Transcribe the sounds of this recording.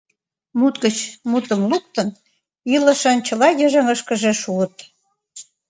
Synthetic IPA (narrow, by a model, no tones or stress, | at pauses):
mut̪ɡə̆t͡ɕmut̪əmluk̚t̪ən | ilə̆ʃɑnt͡ɕə̆lɑjəʒĕŋəʃkə̆ʒeʃuət̪